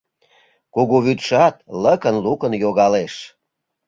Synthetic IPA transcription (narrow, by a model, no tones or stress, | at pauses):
kuɣuβyt̪ʃɑt̪̚ləkənlukənjoɣɑleʃ